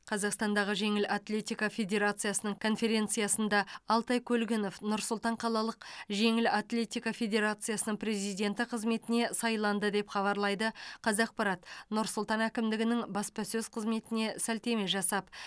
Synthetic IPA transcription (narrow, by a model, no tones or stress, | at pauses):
qʰɑzɑqst̪ɑnd̪ɑʁəʒe̞ŋɪlat̪lʲe̞t̪ikafʲe̞d̪ʲe̞ɾat̪sɨjasənəɴkʰo̞nfe̞ɾʲe̞nt̪sɨjasənd̪ɑɑlˠt̪ɑjkʲʰɵlɡʲɪno̞fnʊɾsʊlˠt̪ɑɴqʰɑlˠɑlˠəqʒe̞ŋɪlat̪lʲe̞t̪ijkafʲe̞d̪ʲe̞ɾat̪sɨjasənəɴpɾe̞zijd̪e̞nt̪ɪqʰəzme̞t̪ɪne̞sɑjlˠɑnd̪əd̪e̞pχɑβɑɾlˠɑjd̪əqʰɑzɑq̚pɑɾɑt̪nʊɾsʊlˠt̪ɑnækʲɪmd̪ɪɡʲɪnɪŋbɑspɑsɵz̥qʰəzme̞t̪ɪne̞sælt̪e̞me̞ʒɑsɑp